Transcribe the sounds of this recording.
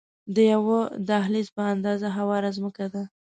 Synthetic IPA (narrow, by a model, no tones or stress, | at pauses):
d̪əjawod̪aɦlispəand̪ɑzaɦawɑɾazməkad̪a